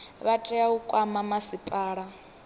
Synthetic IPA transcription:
βatʼɛaukʼwamamasipʼaːɺa

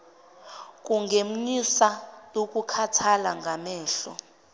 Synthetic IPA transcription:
k̬ʼuŋɡʱem̩nisajok̬ʼukʰatʰalaŋɡʱamɛːɬɔ

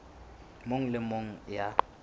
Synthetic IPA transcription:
moŋ̩lɪmoŋ̩ja

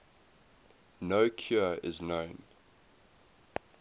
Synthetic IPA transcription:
noʊkʰjuɪ̰znõʊ̃n

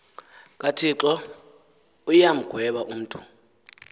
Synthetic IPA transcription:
kʼatʰiǁɔ | ujam̩ɡ̥ʱwɛɓaʔum̩ːtʰʼu̥

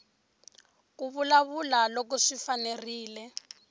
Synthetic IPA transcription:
k̬uβulaβulalok̬ɔʂifaneriːlɛ

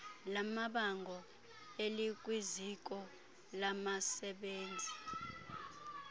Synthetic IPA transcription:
lamaɓaŋɡʱɔ | elik̬ʼwizik̬ɔ | lamasɛɓeːnd͡zʱi

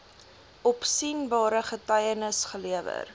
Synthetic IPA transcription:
ʔɔpsinbɑːɾəχətɐjənəsχəliəvə̰r

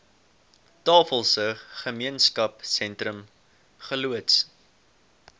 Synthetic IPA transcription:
tɑːfəlˠsəχəmiənskɐpsɛntrəm | χəluəts

